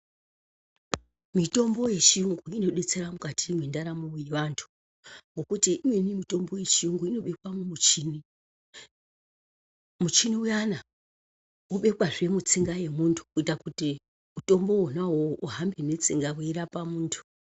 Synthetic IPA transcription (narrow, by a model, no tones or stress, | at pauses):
mito̞mbo̞je̞t͡ʃijuŋɡuino̞ɗe̞t͡se̞ɾamukatimwendaɾamujeʋantʰu̥ | ŋɡo̞kutiimwe̞nimito̞mbo̞je̞t͡ʃiuŋɡuino̞ɓe̞kwamumut͡ʃini | mut͡ʃiniujana | uɓe̞kwaʐe̞mut͡siŋɡaje̞muntʰu̥kuitakuti | muto̞mbo̞wonaɦoʔuɦambene̞t͡siŋɡaweiɾapamuːntʰu̥